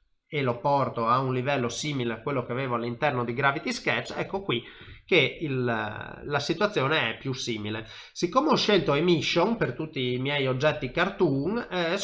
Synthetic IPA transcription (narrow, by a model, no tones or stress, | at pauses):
elopɔrt̪oaunlivɛlːosiːmileakwelːok̟eaveːvoalːint̪ɛrnod̪iɡɾavit̪iskɛt͡ʃːɛ̰kːokwikːeillasit̪wat̪sːjoːneɛpjusiːmile | sikːomeoʃelt̪oemiʃːonpert̪ut̪ːimjɛjod͡ʒːɛt̪ːikart̪uŋ